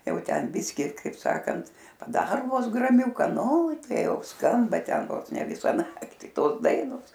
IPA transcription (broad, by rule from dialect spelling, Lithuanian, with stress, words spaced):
ˈjɛʊ ˈtʲɛn ˈbʲɪsʲkʲɪ ˈkɐɪp ˈsɑːkɐnt pɐˈdɑːroː ˈʋoːs ɡrɐmʲˈʊkɐ ˈnʊ ˈtɐɪ jɛʊ ˈskɐmbɐ ˈtʲɛn ˈʋoːs nʲɛ ˈʋʲɪsɐ ˈnɑːktʲɪ ˈtoːs ˈdɐɪnoːs